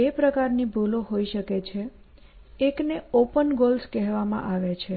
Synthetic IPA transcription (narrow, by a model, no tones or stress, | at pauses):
epɾəkaɾnibʱuloɦoiʃəket͡ʃʰeː | kneopənɡolskɛɦʋamã̰ʔaʋet͡ʃʰe